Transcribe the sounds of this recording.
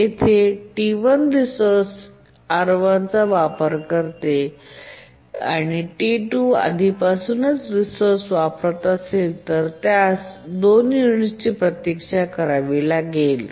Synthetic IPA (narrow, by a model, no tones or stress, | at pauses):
et̪ʰeʈiʋənɾisoɾs | aɾoʋant͡saʋapəɾkəɾt̪e | a̰ɽ̃iʈiʈua̰d̪ʱipasuːnət͡sɾisoɾsʋapɾət̪aselt̪əɾt̪jasd̪onjuɳ̃ist͡ɕiːpɾət̪jekʂakəɾaʋilaɡel